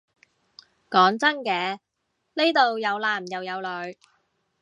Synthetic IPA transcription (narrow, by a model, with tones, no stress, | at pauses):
kɔː˨˥ŋt͡sɐ˥nkɛː˨˧ | ne˥jt̪o˨wjɐ˨˧wlaː˨˩mjɐ˨wjɐ˨˧wlɵ˨˧ɥ